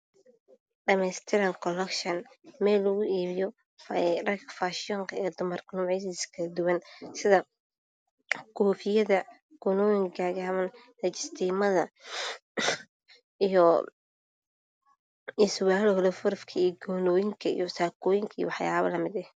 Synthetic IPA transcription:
ɖɐmɛjst̪ʰɪɾɐŋkʰɔlɛkʃɐnmɛːlːʊɣʊiːβɪjɔ | rɐkfaʃɪɔːŋkʰɐɛːd̪ʊmɐrkʰɐnʊʕis̬ɪskʰɐɐd̪ʊwɐnsɪðɐ | kʰɔːfɪjɐðɐ | ɡ̥ʊnɔːjɪŋɡaːɣaːmɐn | lɐt͡ʃɪst̪ʰiːmɐðɐ | ijɔ | ɪswaːlɔːðɐfʊɾfkʰɐiːɡɔːnɔːjɪŋkʰɐḭjɔsaːkʰɔːjɪŋkʰɐḭwɑħja̰ːβɐ̰lɐmɪd̪ɛh

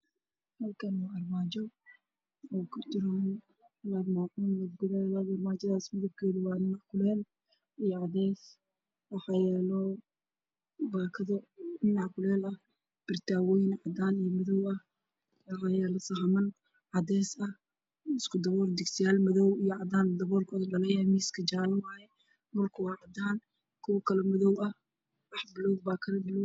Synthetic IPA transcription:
hɐlkʰɐnwaːɐrmaːd͡ʒɔ | ɔkʰʊt̪ɪɾɔn | waɾmaːʕuːnwɐɡʊðɛːlaðɐrmaːd͡ʒɐðaːsmɐðɔb̚kʰɛːðuwaːɪnːaħkʰʊlɛːl | ijɔʕɑd̪ɛːs | wɐħɑjɛlɔ | baːkʰɐðɔnːaʕkʰʊlɛːlɐ | b̥ɪrt̪ʰaːwɔːjnʕɑd̪aːnijɔmɐðɔwɐh | wɑħɑːjɛːlɔsɐɦɐmɐn | ʕɑd̪ɛːsɐ | ɪskʰʊd̪ɐβɔːrd̪ɪɡsɪjaːlmɐðɔwijɔʕɑd̪aːnd̪ɐβɔːrkʰɔːðɐlɐlɐjaːmiːskʰɐd͡ʒaːnɪwaːjɛ | mʊlkʰʊwɑːʕɑd̪aːn | kʰʊwɐkʰɐlɛmɐðɔwɐ | wɑħbɪlɔwbaːkʰɐlɐbɪl

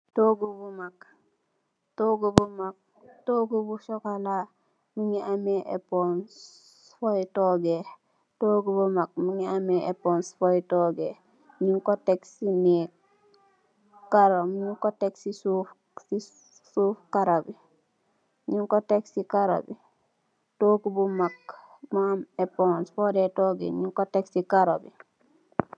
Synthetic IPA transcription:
toɡubumak̚ | toɡobumak̚ | toɡobuʃokala | miŋiameʔḛpon | fojtoɡe | toːɡubomak̚miŋiameʔeponsfojitoɡe | ɲiŋkoteksine | kaɾomɲiŋkoteksisuf | si | sufkaɾobi | ɲiŋkoteksikaɾo̰bi | tokubumak | mameponsfodetoɡḛɲiŋkoteksikaɾobi

